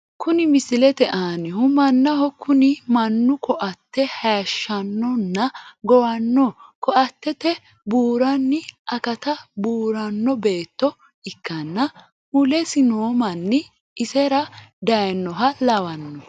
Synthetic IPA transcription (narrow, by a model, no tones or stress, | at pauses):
kʊnɪmɪsɪlɛt̪ɛʔaːnɪhʊmɐnːɐɦɔkʰʊnɪmɐnːʊkɔʔɐt̪ːɛhɐʃːɐnːɔnːɐɡɔwɐnːɔkɔʔɐt̪ːɛt̪ɛ | buːɾɐnːɪʔɐkɐt̪ɐbuːɾɐnːɔbe̞ːt̪ːɔ | ɪkːɐnːɐ | mʊlɛsɪnoːmɐnːɪː | sɛɾɐd̪ɐjnːɔɦɐlɐwɐnːɔ